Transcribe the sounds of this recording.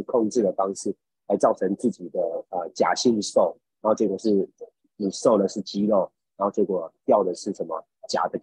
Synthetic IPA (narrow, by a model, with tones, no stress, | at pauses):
kʰo˥˧ŋʈ͡ʂɻ̩˥˩d̪ə˩fɑ˥ŋʂɻ̩˥˩ | la˧˥ɪt͡sɑ˥˩ʊʈ͡ʂʰə˧˥ŋt͡sɹ̩˥˩t͡ɕi˨˩d̪ə˦ə˧˩t͡ɕja̰˨˩ɕi˥˧n˧ʂo˥˩ʊɻa˨˧˥xo˥˧ʊʈ͡ʂɤ˥˩kwə˨˩ʂɻ̩˥˩ | i˨˩ʂo˥˩ʊd̪ə˩ʂɻ̩˥˩t͡ɕi˥lo˥˩ʊ | a˧˥xo˥˧ʈ͡ʂe˥˩kwɔ˨˩t̪jɑ˥˩ʊd̪ə˩ʂɻ̩˥˩ʂə˧˥nmə̰˨˩ | t͡ɕja̰˨˩d̪ə˦